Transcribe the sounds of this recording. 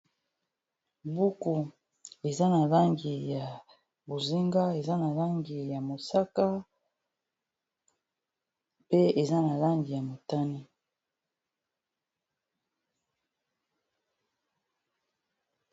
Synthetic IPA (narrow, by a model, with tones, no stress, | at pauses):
bu˦ku˨ | e˨za˦na˨la˦ŋɡi˨ja˨ | bo˨zi˦ŋɡa˦e˨za˦na˨la˦ŋɡi˨ja˨mo˨sa˦ka˦ | pe˦e˨za˦na˨la˦ŋɡi˨ja˨mo˨ta˦ni˦